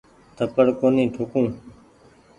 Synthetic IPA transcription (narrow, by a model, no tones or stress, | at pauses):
t̪ʰəpəɽkoːnĩːʈʰokũː